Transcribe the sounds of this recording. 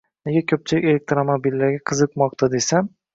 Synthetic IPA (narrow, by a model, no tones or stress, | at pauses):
neɡʲakʲʰɵp̚t͡ʃʰɪlɪ̰kʲelek̚t̪ɾomobilːaɾɡʲaqʰɨzɨqmɒq̚t̪ʰad̪e̞sam